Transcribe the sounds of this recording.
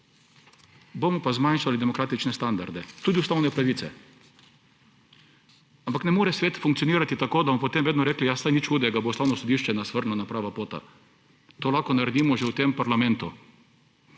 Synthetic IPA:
boːmɔpazmanʃalid̪ɛmɔkɾaːt̪it͡ʃnɛst̪and̪a̰ɾd̪ɛt̪uːd̪iust̪awnɛpɾaʋiːt̪sɛ̰ | ampaknɛmoːɾɛsʋeːt̪fuŋk̪sijɔniːɾat̪it̪akoːd̪amɔpɔt̪eːmʋeːd̪nɔɾɛːklijasajnit͡ʃxuːd̪ɛɡabost̪awnɔsɔd̪iʃt͡ʃɛnasʋəɾnlɔnapɾaːʋapoːt̪a̰ | t̪oːlaxkɔnaɾɛd̪iːmɔʒewt̪empaɾlamɛ̃nt̪u

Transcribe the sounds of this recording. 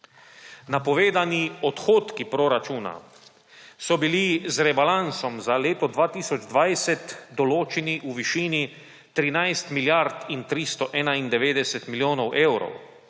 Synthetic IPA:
napɔʋeːd̪aniɔt̪xoːt̪kipɾɔɾat͡ʃuːna̰ | sɔbilizɾɛbalansɔmzaleːt̪ɔd̪ʋaːt̪iːsɔd͡ʒd̪ʋajsɛt̪d̪ɔloːt͡ʃiniʔuʋiʃiːni | t̪ɾinajst̪miljaɾt̪int̪ɾist̪ɔʔɛːnaind̪ɛʋeːd̪ɛsɛt̪miljoːnɔwʔewɾɔ̰w

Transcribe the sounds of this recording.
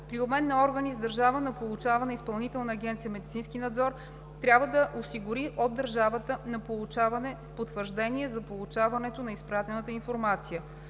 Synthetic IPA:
pɾiobmɛnːɐɔɾɡənizd̪ɐɾʒavənɐpolˠut͡ʃavɐnɛispɐlˠnit̪ɛlˠnəːɡʲɛnt̪sijəmɛd̪it̪sinskinɐd̪zɔɾ | t̪ɾʲabvəd̪ɐʔosiɡʊɾiʔod̪ːɐɾʒavət̪ənɐpolˠut͡ʃavɐnɛ | pot̪vəɾʒd̪ɛniɛzɐpolˠut͡ʃavɐnɛt̪onɐispɾat̪ɛnət̪əinfoɾmat̪sijə

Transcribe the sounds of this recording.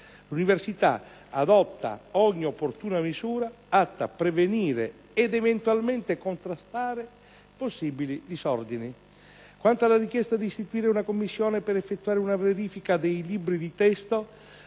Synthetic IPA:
luniversit̪a̰ | ad̪ɔt̪ːa̰ɔɲːiopːort̪uːnamisuːɾa | at̪ːa̰pɾeveniːɾḛ | ɛd̪ɛvent̪ualment̪ekont̪ɾast̪aːɾe | posːibilid̪isɔrd̪ini | kwant̪alarik̟jɛst̪ad̪ist̪it̪uiːɾeunakomːisːjɔːnepɛɾɛfːet̪ːuaːɾɪunaveɾiːfikad̪ejlibɾid̪it̪ɛst̪o

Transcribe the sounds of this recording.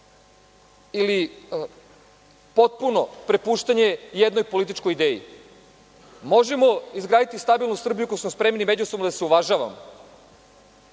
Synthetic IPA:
ili | po̞t̪̚puno̞pɾe̞puːʃt̪aɲe̞jed̪nojpo̞lit̪it͡ʃkojid̪eːjḭ | mo̞ʒe̞mo̞izɡɾaːd̪it̪ist̪abilˠnusr̩bijukojusmospɾe̞mnimed͡ʑusobmnad̪aseuʋaʒaʋa̰mo

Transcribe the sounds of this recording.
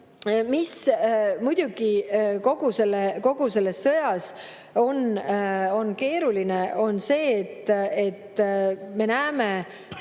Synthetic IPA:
mismujd̪̥ʲuɡ̥iko̞ɡ̥use̞lːeko̞ɡ̥use̞lːe̞sːɤjɑs | o̞n | o̞nke̞ːɾulineo̞nse̞ːt̪ːe̞t̪ːme̞næːme

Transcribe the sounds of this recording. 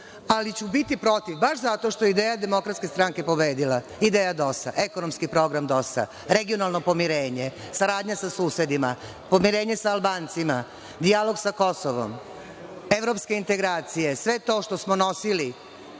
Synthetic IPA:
alit͡ɕubit̪ipɾo̞t̪iʋbaʃzat̪o̞ʃt̪o̞jeid̪eːjad̪e̞mo̞kɾat̪ske̞st̪ɾaŋke̞po̞beːd̪ila | id̪eːjad̪o̞sa̰ʔe̞konomskipɾo̞ɡɾamd̪osa̰ | ɾeɡionalˠno̞po̞miɾe̞ːɲe̞ | saɾaːd̪ɲasasuːse̞d̪ima | po̞miɾe̞ːɲe̞saːlˠbaːnt̪sima | d̪ijalo̞ɡsako̞soʋo̰m | eʋɾo̞pske̞int̪e̞ɡɾaːt̪sijesʋe̞t̪o̞ːʃt̪osmono̞sili

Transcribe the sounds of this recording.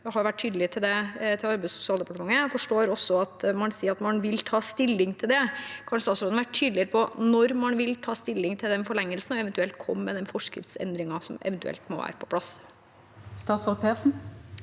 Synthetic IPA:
ɔhɑɾjʊʋæʈːʰyːd̪əlɪt̪ʰɪld̪ɛt̪ʰɪlɑɾbæɪsʊ̥sɪɑːld̪əpɑʈəmɑŋːəfɔʂʈoːɾɔsːɔɑt̪mɑnsiːɾɑt̪mɑnʋɪlt̪ʰɑːst̪ɪlːɪŋt̪ʰɪld̪ɛkʰɑnʂəst̪ɑːt̪sɾod̪nɑʋæʈtyːd̪əlɪəɾəpʰɔnɔɾmɑnʋɪlt̪ʰɑːst̪ɪlːɪŋt̪ʰɪld̪ɛnfɔɭɛŋːəlsn̩ɔɛʋɛnt̪ʉɛlt̪̚kʰɔ̰mːɛ̰d̪ɛnfɔʂkɾɪ̰ft̪sɛ̰nd̪ɾɪŋɑsɔmɛ̰ʋɛnt̪ʉɛ̰lt̪mɔ̰ʋæ̰ːɾəpʰɔ̥pʰlɑs | st̪ɑːt̪sɔɾʊpʰeːsn̩

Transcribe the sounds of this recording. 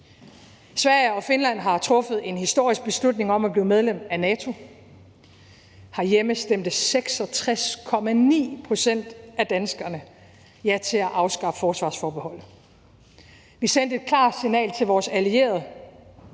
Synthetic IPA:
sʋæɐ̰ɪɒ̽fe̝nlæn̰ɦɑ̈t͡sʰʁɔ̽fð̞̩ˠe̝nhisd̥o̝ɐ̰isɡ̥̚b̥e̝slud̥ne̝ŋɒ̽mæb̥liːʊmeð̞ˠlemd̥ænɛːt͡sʰo̝ | hɑ̈jeməsd̥em̰d̥əseɡ̥sɒ̽t͡sʰʁaskʰɒ̽mænḭːpʰʁo̝sen̰d̥æd̥ænsɡ̥ɐnə | jæt͡sʰe̝æʔɑ̈ʊsɡ̥ɑ̈ffɒːsʋɑ̈ːsfɒːb̥ehɒ̽l̰̩ˠ | ʋisen̰d̥e̝d̥kʰlɑ̰̈ːd̥sinɛ̰ːlt͡sʰe̝lʋɒːsælie̝̰ːɐð̞̩ˠ

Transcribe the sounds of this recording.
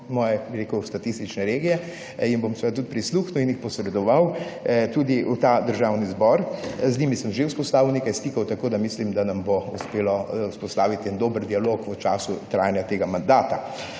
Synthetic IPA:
mɔːjɛbiɾeːkust̪at̪ist̪it͡ʃnɛɾeːɡijɛ | inbomsʋɛd̪̚t̪ut̪̚pɾisluːxnuinjixpɔsɾɛd̪ɔʋawt̪uːd̪iʔut̪ad̪əɾʒawnizbɔːɾznʲimisəmʒeuspɔst̪aːʋiwneːkajst̪ikɐwt̪akoːd̪amislimd̪anambouspeːlɔuspɔst̪aːʋit̪ɛnd̪oːbəɾd̪ialoːkut͡ʃaːsut̪ɾa̰ːjanjat̪eɡamand̪aːt̪a

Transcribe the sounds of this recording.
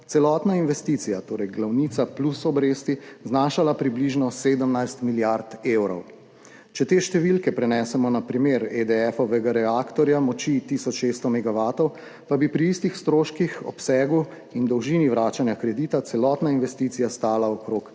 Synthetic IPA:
t̪sɛlɔt̪nainʋɛst̪iːt̪sijat̪oːɾɛjɡlawnit̪saplusɔbɾeːst̪iznaːʃalapɾibliʒnɔseːd̪əmnajst̪miljaɾt̪ewɾɔw | t͡ʃɛt̪eːʃt̪ɛʋilkɛpɾɛnɛːsɛmɔnapɾimeːɾed̪ɛɛfɔʋɛɡaɾɛaːkt̪ɔɾjamɔt͡ʃit̪iːsɔt͡ʃʃest̪ɔmɛɡaʋaːt̪ɔw | pabipɾiist̪ixst̪ɾoːʃkixɔ̰psɛːɡu | ind̪ɔwʒiniʋɾaːt͡ʃanjakɾɛd̪iːt̪at̪sɛlɔːt̪nainʋɛst̪iːt̪sijast̪aːlaɔkɾoːk

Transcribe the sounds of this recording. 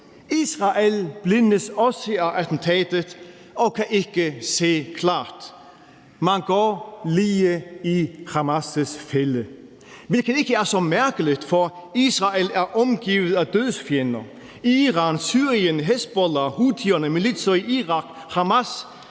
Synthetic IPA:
iːsʁɑʔelb̥lɪnəsɔsəɑʔæt̪n̩t̪ʰɛːd̪ət̪ | ɔkʰaʔɪkəseːkʰlɑ̰ːt̪ | mɑnɡ̥ɔːliːəihɑmasəsfɛlə | ʋɪlkənɪkəæɐsɔmæɐkəlɪt̪fɔiːsʁɑelæɐʔɔmɡ̥iːʋəð̩ˠæd̪øðˠsfjɛnɐ | iʁɑːnsyːʁiənɦɛst̪̚b̥ɔlɐhuːt̪ʰyːɐnəmɛnlɪt̪sɔiʔiːʁɑk | hɑmas

